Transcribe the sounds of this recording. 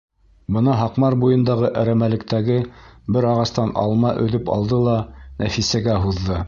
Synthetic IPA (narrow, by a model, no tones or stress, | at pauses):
bɤ̆nɑɦɑqmɑɾbujɤ̆nd̪ɑʁɤʔæɾæmælɘ̆k̚t̪æɡɘbɘɾɑʁɑst̪ɑnɑ̰lˠmɑʔɵ̆ðɵpɑ̰lˠd̪ɤlˠɑnʔæfisæɡæɦuðːɤ